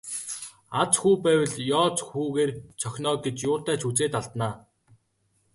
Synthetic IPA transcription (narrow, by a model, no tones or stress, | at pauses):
at͡sxuːpæːwə̆ɮjɔːt͡sxuːɣeːrt͡sʰœxʲnɔːɡet͡ɕjʊːt̪æːt͡ɕʰut͡seːt̪aɮt̪naː